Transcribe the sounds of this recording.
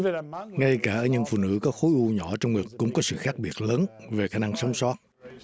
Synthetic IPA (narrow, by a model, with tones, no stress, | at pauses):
ŋa˧jkaː˧˩ʔəː˧˩ɲɨ̰˧˥ŋfṵ˧˨nɨ̰˧˥kɔ˨˦xo˨˦jʔu˧ɲɔ˧˩t͡ɕɔ˧wŋ͡mŋɨ˨˩əkkʊ̰˧˥ŋ͡mkɔ˨˦sɨ̰˧˨xaː˦˥k̚ɓi˨˩ət̚ləː˨˦nve˨˩xaː˧˩na˧ŋsa˨˦wŋ͡mswɔ˦˥t̚